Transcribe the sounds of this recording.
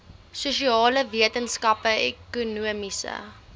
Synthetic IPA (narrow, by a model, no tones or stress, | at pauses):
suʃiɑːləviətənskɐpəɛkunuəmisə̰